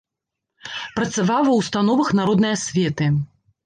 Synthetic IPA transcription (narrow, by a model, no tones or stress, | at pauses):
pɾɐt̪savawɐwst̪anɔvɐxnaɾɔd̪nɨjɐsʲvʲɛt̪ɨ